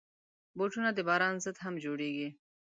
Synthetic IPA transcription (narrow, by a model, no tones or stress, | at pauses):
boːʈunad̪ebaːɾaːnzət̪ɦɐmd͡ʑoːɽiːɡi